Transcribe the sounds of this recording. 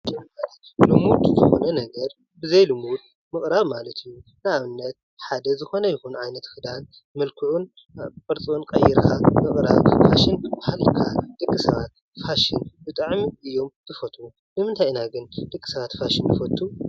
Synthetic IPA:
d͡ʒɛmːɐɾilumut̪zɨxonɐnɐɡɐɾ | bɨzɐjlumud̪̚ | mɨχʼɾaβmalɐt̪ʰɨjunɨaβɨnːɐt̪̚ | ħad̪ɐzɨxo̞nɐjɪxunʕajnɐt̪kɨd̪an | mɐlkʰɨʕun | fʼɐɾt͡sʼonkʼɐjɪɾkʰamɨkʼɾa̰βfaʃɪnbɨbahalkʰad̪̥ɨkʼːisɐβat̪ | faʃɪnbɨt̪ʼɨʕmiʔɨjːo̞mt̪ʰɨfɐt̪ʼu | nɨmɨnt̪ʰajnaɡɨnd̪̥ɨkʼːi̥sɐβat̪faʃɪnːɨfɐt̪ʰːu

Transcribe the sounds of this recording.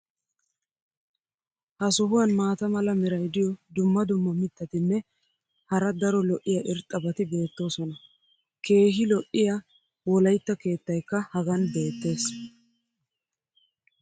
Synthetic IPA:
hɐsɔɦʊwɐnmaːt̪ɐmɐlɐmɛɾɐjd̪ɪjɔd̪ʊmːɐd̪ʊmːɔmɪt̪ʰːɐt̪ɪnːɛ | hɐɾɐd̪ɐɾɔlɔʔɪjɐʔɪɾt̪ʼːɐbɐt̪ɪbe̞ːt̪ːo̞ːsɔnɐ | kʰe̞ːɦɪlɔʔɪja | wɔlɐjt̪ːɐke̞ːt̪ːɐjkːɐhɐɡɐnbe̞ːt̪ːe̞ːs

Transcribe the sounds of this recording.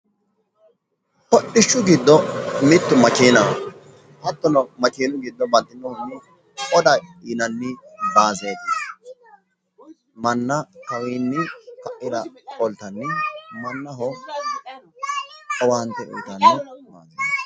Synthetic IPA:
pɔɗɪʃːʊɡɪd̪ːɔmɪt̪ːʊmɐkiːnɐ | hɐt̪ːɔnɔmɐkiːnʊɡɪd̪ːɔbɐt̪ʼːɪnːɔhɔnːɪ | ɔd̪ɐiːnɐnːɪbaːzeːt̪ɐ | mɐnːɐkɐwiːnːɪkɐʔɪd̪ɐkɔlt̪ɐnːɪmɐnːɐɦɔ | ɔwaːnt̪ɛʔɔt̪ɐnːɪmaːzeːt̪

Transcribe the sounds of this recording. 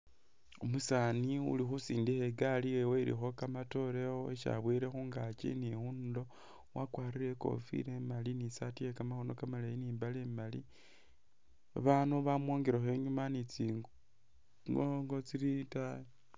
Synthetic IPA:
omusaniṵlixusiːndixeɡalieweiɾḭxo̞kamato̞ɾe̞oeʃa̰βwiɾe̞xuːŋɡat͡ʃḭnixundo̞ | wakwaːɾiɾe̞ko̞̰fḭɾemalinisatijekamaxono̞kamalajiniːmbaleːmali | a̰βanuβamwo̞ːŋɡeɾaxe̞ɲumanit͡siŋɡ | ŋɡoŋɡot͡siɾitajo

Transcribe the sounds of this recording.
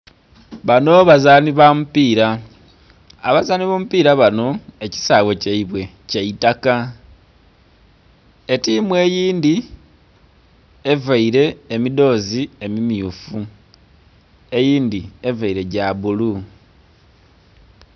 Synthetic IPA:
βano̞βazaːniβamupiːɾa | βazaːniβomupiːɾaβano̞e̞ci̥saːwe̞ceiβwe̞ | ceitaka | e̞timwe̞ːjiːndi | e̞vaiɾe̞ːmido̞zie̞mimiufu | e̞jiːndie̞vaiɾe̞ɟaβulu

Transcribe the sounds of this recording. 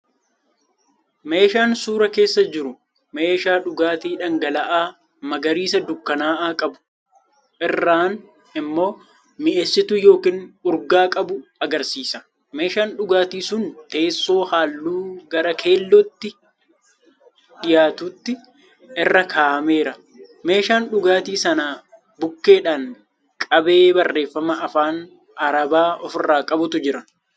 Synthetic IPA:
me̞ːʃaːnsuːɾɐke̞ːsːɐd͡ʒɪɾʊ | me̞ːʃaːᶑʊɡaːt̪iːᶑɐŋɡɐlɐʔaː | mɐɡɐɾiːsɐd̪ʊkːɐnaːʔaːkʼɐbʊ̥ | ʔɪrːaːn | ɪmːo̞ː | mɪʔesːɪt̪ʊjo̞ːkiːnʊɾɡaːkʼɐbʊɐɡɐɾsiːsɐ̥ | me̞ːʃaːnᶑʊɡaːt̪iːsʊnt̪e̞ːsːo̞ːhaːlːuːɡɐɾɐkʰe̞ːlːɔt̪ːɪ | ᶑɪjaːt̪ut̪ːɪ | ʔɪrːɐkʰaːʔɐme̞ːɾɐ | me̞ːʃaːnᶑʊɡaːt̪iːsɐnaː | bʊkːe̞ːᶑan | kʼɐbe̞ːbɐrːe̞ːfːɐmɐʔɐfaːn | ɐɾɐbaːʔɔfɪrːaːkʼɐbʊt̪ʊd͡ʒɪɾɐn

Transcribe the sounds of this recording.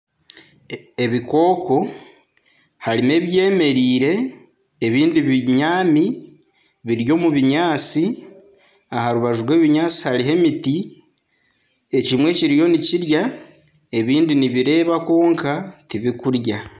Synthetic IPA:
e̞βiko̞ːko̞ | haɾime̞ːβje̞ːme̞ɾiːɾe̞ː | βiːndiβiɲaːmi | βiɾjo̞ːmuβiɲaːt͡si | ahaɾuβaʒuwe̞ːβiɲaːt͡si̥haɾiɦe̞miti | e̞cimwe̞ːciɾijo̞niciɾja | e̞βiːndiniβiɾe̞ːβako̞ːŋkatiβikuɾja

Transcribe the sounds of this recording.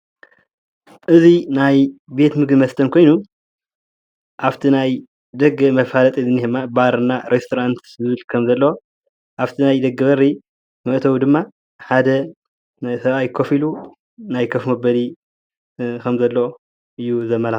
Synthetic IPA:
ʔɨzinajbe̞t̪mɨɡ̪imɐst̪ʰɐnkʰo̞jnu | ʔaft̪ʰinaj | d̪ɐɡɨmɐfalɐt̪ʼizɨnːihɨmːabaɾɨnːaɾest̪ʰoɾant̪zɨβɨlkʰɐmzɐlːɐwo | ʔaft̪ʰinajd̪ɐɡːɐβɐɾi | mɐʔt̪ʰɐwud̪ɨmːa | ħad̪ɐ | sɐβʔajkʰofilu | najkʰɐfmɐbɐli | kʰɐmzɐlːɐo | ʔɨjːuzɐmːɐl

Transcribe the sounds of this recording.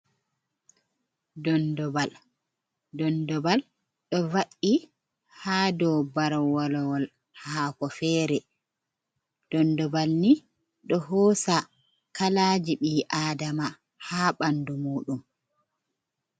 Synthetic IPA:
dɔndɔbal | dɔndɔbal | ɗɔvaʔːi | haːdɔwbaɾwalɔwɔl | haːkɔfɛːɾɛ | d̥ɔndɔbalni | ɗɔhɔːsa | kalaːd͡ʒiɓiːʔaːdama | haːɓandumuːɗum

